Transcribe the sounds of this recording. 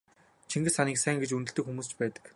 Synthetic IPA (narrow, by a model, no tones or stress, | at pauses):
t͡ɕʰiŋɡɘ̆saniːksæːŋɡet͡ɕunt̪ɘ̆ɮt̪ɘ̆kxumuːst͡ɕpæːt̪ə̥̆k